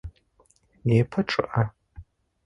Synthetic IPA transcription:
jeːpʰɐʈ͡ʂʼɨ̰ʔɐ

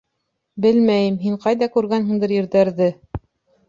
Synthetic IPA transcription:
bɘlmæjɘmɦiɴqɑjðɑkʉɾɣænɦɤ̆ɴd̪ɤɾjɘ̆ɾðæɾðɘ

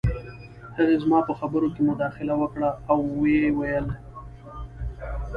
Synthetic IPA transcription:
həɣezmɑpəxabəɾokemʊd̪ɑxɪlawəkɽaːwːewajəl

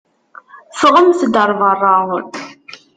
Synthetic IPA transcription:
fʁəmθd̪əɾˤvɑrˤːɑʁʊn

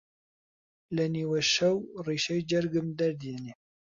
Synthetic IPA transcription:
lɛniːwɛʃɛwriːʃɛjd͡ʒɛɾɡɨmd̪ɐɾd̪jɛne

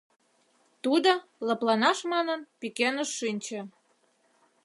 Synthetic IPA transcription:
t̪ud̪oləplɑnɑʃmɑnənpikenəʃːinʲt͡ɕĕ

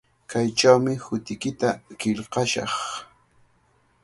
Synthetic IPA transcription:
kajt͡ʃawmɪhʊt̪ɪkɪt̪akɪʎqɑʃɑ̰χ

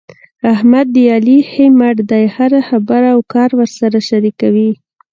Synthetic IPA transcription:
ahmad̪ːəjɑlihemaʈd̪ajhaɾaxabaɾawkɑɾwəɾsaɾaʃaɾikawi

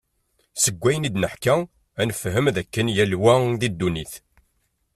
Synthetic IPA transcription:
səɡʷːæjənid̪nəħkæ | ænəfɦəmðækːənjælwæðid̪ːuniθ

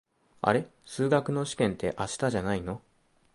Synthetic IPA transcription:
a̰ɾe̞sɨːɡakɯ̟no̞ɕi̥kẽ̞nt̪e̞ʔaɕi̥t̪aʑanaino̞

